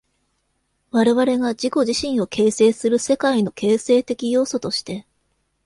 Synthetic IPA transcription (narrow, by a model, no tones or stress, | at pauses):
βaɾe̞βaɾe̞ɡad͡ʑiko̞ʑiɕĩɰ̃o̞kʰe̞ːse̞ːsɨɾɯ̟se̞kaino̞kʰe̞ːse̞ːt̪e̞kʲijo̞ːso̞t̪o̞ɕi̥t̪e̞